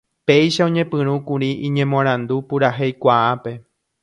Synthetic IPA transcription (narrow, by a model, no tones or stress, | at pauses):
pe̞jʃaõɲẽ̞pɨ̃ɾ̃ũkuɾiʔĩɲẽmõãɾ̃ãnd̪upuɾaɦejkʷaape̞